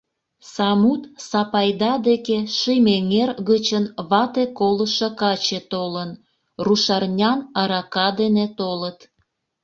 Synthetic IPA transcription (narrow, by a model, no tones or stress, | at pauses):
sɑmut̪sɑpɑjd̪ɑd̪ekeʃimeŋerɣət͡ɕənβɑt̪ekoləʃəkɑt͡ɕet̪olən | ruʃɑrnʲɑnɑɾɑkɑd̪enet̪olət̪